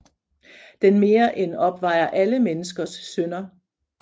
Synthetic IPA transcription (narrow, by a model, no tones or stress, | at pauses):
d̥enme̝ːɐʔenɒ̽b̥ʋɑ̈ɪ̰ɐʔæləmenəsɡ̥ɐsːønɐ